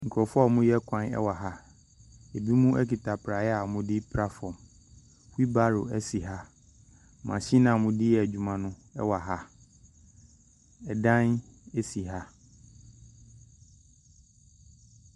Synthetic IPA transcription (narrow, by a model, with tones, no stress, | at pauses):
ŋ̩˨kʰɔ˨fɔ˦˨mʊ̃˦jɛ˦kʷʰã˦nɛ̰˦wa˨ɦa˦ | e˨bi˦mũ˦ʔæ˦ki˨tʰa˨pʰɾa˨jɛ˦a˨mʊ̃˦dɪ˦pʰɾa˦fɔ˨m | wi˦ba˦ɾʊ˨æ˦si˨ɦa˦˨ | mã˨ɕi˦nã˨mʊ̃˦dɪ˦jɛ˨æ˨d͡ʑᶣu˨mã˨nʊ̃˦ɛ̰˦wa˨ɦa˦ | ɛ˨dã˦ne˦si˨ɦa˦